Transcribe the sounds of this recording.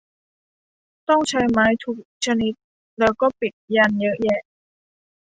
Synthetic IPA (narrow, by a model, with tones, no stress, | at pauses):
t̪ɔ˥˩ŋt͡ɕʰa˦˥jmaː˦˥jt̪ʰuː˦˥k̚t͡ɕʰa˧ni˦˥t̪̚ | lɛː˦˥wkɔː˥˩pi˨˩t̪̚jaː˧˩njɤ˦˥ʔjɛ˥˧˩